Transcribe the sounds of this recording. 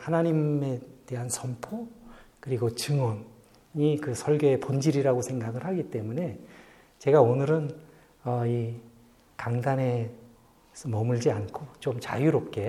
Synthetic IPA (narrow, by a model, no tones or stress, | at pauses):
hanaɲime̞te̞ɦansʰʌmpʰokɯɾiɡot͡ɕɯŋʌn | ikɯsʰʌɭɡjoe̞pond͡ʑiɾiɾaɡosʰe̞ŋɡaɡɯɭhaɡit͈e̞mune̞ | t͡ɕe̞ɡaonɯɾɯn | ʌi | kaŋdane̞ | smʌmɯɭd͡ʑiankʰot͡ɕomt͡ɕa̰juɾop̚k͈e̞